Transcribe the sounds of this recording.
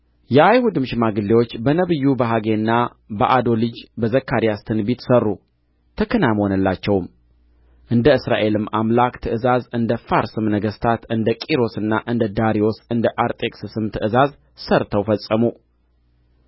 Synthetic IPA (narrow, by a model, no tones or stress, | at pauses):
jɛʔajhud̪ɨmʃɪmaɡɨlːewo̞t͡ʃːbənəβɨjːubəɦaɡe̞nːa | bəʔad̪o̞lɨd͡ʒbəzəkːaɾijast̪ʰɨnbit̪sərːu | t̪ʰəkʰənajmhonəlːat͡ʃːɛwm | ʔɨnd̪əɨsɾa̰ʔe̞lɨmːamlakt̪ʰɨɨzazɨnd̪əfaɾsɨmnəɡəst̪ʰat̪ɨnd̪əkʼiɾo̞sɨnːaʔɨnd̪əd̪aɾio̞sɨnd̪əʔaɾt̪ʼe̞kʼsɨsɨmt̪ʰɨʔɨzaz | səɾt̪ʰəwfəsʼəmu